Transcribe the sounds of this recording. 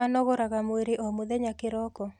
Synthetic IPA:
anɔɣɔɾaɣamweɾeʔɔmoðɛɲakɪɾɔkɔ

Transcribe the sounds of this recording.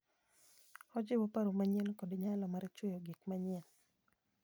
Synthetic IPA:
ɔd͡ʒɪwɔpaɾomaɲɛlkɔdeɲalɔmaɾet͡ʃwojoɡikmaɲɛl

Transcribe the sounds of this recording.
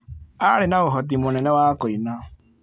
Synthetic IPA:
aɾenaβoɦɔt̬imonɛnɛwakoina

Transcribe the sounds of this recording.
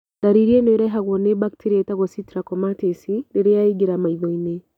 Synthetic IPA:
daɾiɾienoɾeɦaɣwonebaktʰiɾietaɣositɾakomatisiɾeɾejaiɡiɾamaiðoine

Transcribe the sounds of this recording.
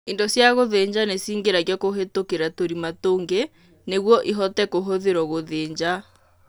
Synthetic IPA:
endɔsjaɣoðeɲd͡ʑanesiːŋɡeɾaɣjɔkoɦetokeɾatoɾimatoːŋɡe | neɣwɔʔiɦɔtɛkoɦoðeɾɔɣoðeːɲd͡ʑa

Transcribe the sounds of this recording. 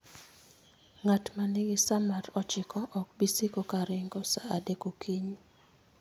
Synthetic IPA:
ŋatmanɪɡɪsamaɾɔt͡ʃɪkɔʔɔk̚bisikokaɾɪŋɡɔsaadekokʰiɲ

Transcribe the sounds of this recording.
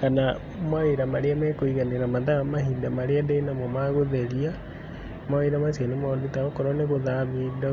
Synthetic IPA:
kana | maeɾamaɾeamɛkoiɣaneɾamaðaamaɦidamaɾeadɛnamɔmaɣoðeɾia | maeɾamasianemɔditaɾokɔɾɔneɣoðaβida

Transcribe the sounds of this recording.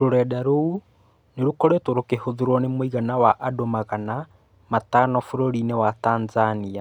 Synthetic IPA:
ɾoɾɛdaɾou | neɾokɔɾetoɾokehoðeɾwɔnemoiɣanawaʔadomaɣana | matanɔfoɾoɾinewataːnzania

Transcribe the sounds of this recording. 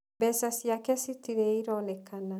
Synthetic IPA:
bɛsasjakɛsitiɾeiɾɔnɛkana

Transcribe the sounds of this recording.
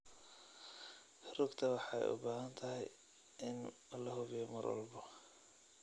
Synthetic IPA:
hɾʊɡt̪ʰɐwɑħɑɛ̰jʔʊ̰baːɦɐnt̪ʰɐɦɛj | ʔɪn | ɐlːɐɦʊβɪjɔmɐ̰rwɑ̰lbɔ

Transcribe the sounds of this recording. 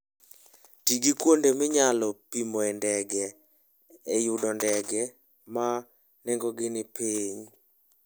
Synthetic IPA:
tiɡikwondemɪɲalɔpimɔɛndɛɡɛː | jʊdɔndɛɡɛ | ma | nɛŋɡɔɡɪnɪpiɲ

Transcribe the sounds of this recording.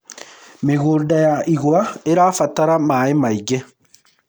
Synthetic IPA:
meɣoːdajaʔiɣwaeɾaːfataɾamaemaiɡɛ

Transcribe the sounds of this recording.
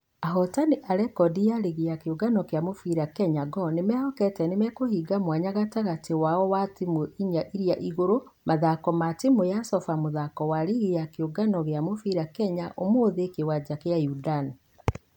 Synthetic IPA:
aɦɔtaniʔaɾɛkɔdijaɾiɣeakeuɡanɔkeamofiɾakɛɲaɡɔnemɛhɔkɛtɛnemɛkohiɡamwaɲaɣataɣatewaɔwatimoʔiɲaʔiɾiaʔiɣoɾo | maðakɔmatimojasɔfamoðakɔwaɾiɣejakeoɡanɔɣeamofiɾakɛɲaʔomoːðekewad͡ʒakeajudani

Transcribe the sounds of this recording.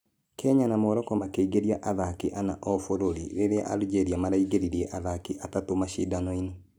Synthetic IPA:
kʰɛɲanamoɾɔkɔmakeiɡeɾiaʔaðakiʔanaʔɔfoɾoɾḭɾeɾea̰ʔa̰lid͡ʒeɾiamaɾaiɡeɾiɾiɛʔaðakiʔatatomaʃḭdanɔino

